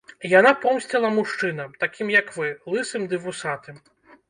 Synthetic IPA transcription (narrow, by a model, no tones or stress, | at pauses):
janapɔmsʲt͡sʲɛlˠɐmuʂt͡ʂɨn̪ɐmt̪akʲimjɐkvɨlˠɨsɨmd̪ɨvusat̪ɨm